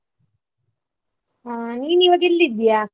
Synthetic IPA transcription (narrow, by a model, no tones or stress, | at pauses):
aniːniːʋɐk̬ilːid̪ija